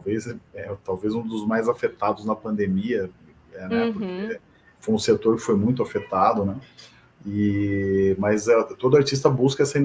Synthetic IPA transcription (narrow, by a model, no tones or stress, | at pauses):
wvezɛt̪awvezũd̪ʊzmajzafet̪ad̪ʊznɐpɐ̃nd̪emiɐ | ɛnɛpʊɾke | fojũset̪oɾkɪ̥fojmũj̃t̪̬ʊafet̪ad̪ʊnɛ | ɪ | mɐzɛt̪od̪ʊaɾt͡ʃis̬t̪ɐbuskɐɛsɐĩ